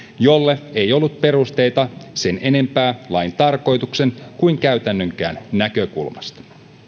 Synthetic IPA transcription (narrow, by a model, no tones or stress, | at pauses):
jo̞lːeejo̞lːut̪̚pe̞ɾust̪e̞jt̪ɑse̞ne̞ne̞mpæːlɑjnt̪ɑrko̞jt̪ukse̞nkuiŋk̟æyɥt̪ænːøŋk̟æ̰ːnːækøkṵlmɑst̪ɑ̥